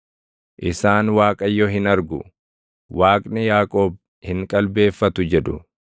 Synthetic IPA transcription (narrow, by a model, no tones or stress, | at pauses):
ʔɪsaːnwaːkʼɐjːɔɦɪnɐɾɡʊ̰ | waːkʼnɪjaːkʼo̞ːb̚ | hɪŋkʼɐlbe̞ːfːɐt̪ʊd͡ʒɛᶑʊ̰